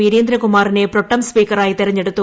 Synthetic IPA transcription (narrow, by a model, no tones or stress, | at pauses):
iɾeːnd̪ɾɐkumaːɾineːpɾɔʈːɐmspiːkɐɾaːjit̪iɾɐɲːeɽut̪ːu